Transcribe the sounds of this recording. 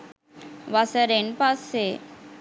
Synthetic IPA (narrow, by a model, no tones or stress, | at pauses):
ʋasəɾenpasːe